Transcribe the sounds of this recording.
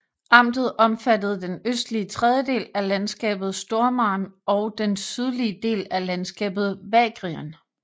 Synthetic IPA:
ʔɑ̈m̰d̥ð̩ˠʔɒ̽mfæd̥əð̞̩ˠd̥enøsd̥liət͡sʰʁeð̞ˠjəde̝̰ːlælænsɡ̥ɛ̰ːb̥ð̞̩ˠsd̥o̝ɐmɑ̰̈ːnɒ̽ʊd̥ensyð̞ˠliəd̥e̝̰ːlælænsɡ̥ɛ̰ːb̥ð̩ˠʋɛɡ̥ʁiən

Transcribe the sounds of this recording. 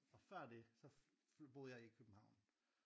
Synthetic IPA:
ɒ̽fɶɐ̰d̥e̝sɒ̽b̥o̝ːð̩ˠjɑ̈ɪikʰøb̥m̩hɑ̈ʊ̰n

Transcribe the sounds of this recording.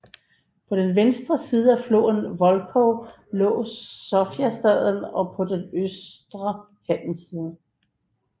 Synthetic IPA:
pʰɒ̽d̥enʋensd̥ʁɐsiːð̞ˠəæflo̝̰ːnʋɒ̽lkʰɔ | lɔ̰̽ːsɒfjæsd̥ɛðˠn̩ɒ̽pʰɒ̽d̥enøsd̥ʁɐ | hæn̰n̩siːðˠə

